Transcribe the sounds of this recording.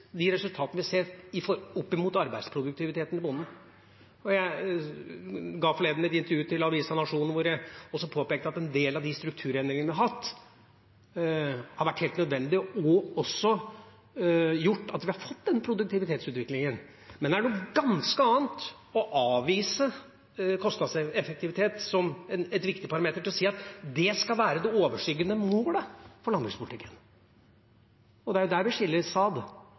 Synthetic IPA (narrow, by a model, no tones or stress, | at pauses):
d̪ɪɾɛsʉlt̪ʰɑːt̪nəʋɪseːtɪfɔɔpːɪmuːt̪ɑɾbæɪspʰɾʊd̪ʉkt̪ɪʋɪt̪ʰeːt̪n̩ɪbʊnːən̩ | ɔjæɪ | ɡɑːfɔleːd̪nɛt̪ɪnt̪əɾjʉːt̪ʰɪlɑʋiːsɑnɑʂuːnʋʊɾjæɪɔsːɔpʰoːpeːk̚t̪əɑt̪ɛnd̪eːlɑʋd̪ɪst̪ɾʉk̚t̪ʰʉːɾɛnd̪ɾɪŋnəʋɪhɑhɑt̪ː | hɑɾʋæʈːheːlt̪nœd̪ʋɛnd̪ɪɔɔsːɔ | jʊʈːɑt̪ʋɪhɑɾfɔt̪ːd̪ɛnːəpʰɾʊd̪ʉk̚t̪ɪʋɪt̪ʰeːt̪sʉːt̪ʋɪklɪŋən | mɛnɛæɖuːɡɑnskəɑːənt̪ | ɔʔɑːʋiːsə | kʰɔst̪nɑd̪sɛfək̚t̪ɪʋɪt̪ʰeːt̪sɔmɛnɛt̪ʋɪkt̪ɪpɑɾɑmeːt̪əɾʈʰɪlɔsiːɑt̪d̪ɛskɑlʋæːɾəd̪ɛoːʋəʂyːɡənəmoːləfɔɾɭɑnd̪ɾɪŋspʰʊlt̪ʰɪkːə̥n | ɔd̪ɛæɾjʊd̪æɾʋɪʂɪlːəɾsɑːd̪